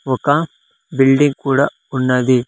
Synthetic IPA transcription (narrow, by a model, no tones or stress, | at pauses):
ɔkːãː | bɪlɖɪŋɡkuːɽɐ | ʊnːɐði